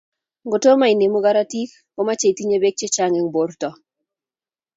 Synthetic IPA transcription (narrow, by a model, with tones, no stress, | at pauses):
ŋɡo˨to˦ma˦i˨ne˨mo˦ɡa˦ɾa˦ti˦k | ko˦ma˦t͡ʃe˦˨i˨ti˦ɲe˦be˦k̚t͡ʃe˦t͡ʃa˦ŋɛ˨ŋbo˦rtɔ˨